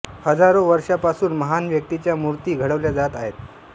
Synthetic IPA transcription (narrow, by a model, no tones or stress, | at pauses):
həd͡zaɾoʋəɾʂapasuːnməɦanʋjək̚t̪it͡ɕjamuɾt̪iːɡʱəɽəʋljad͡zat̪aɦet̪̚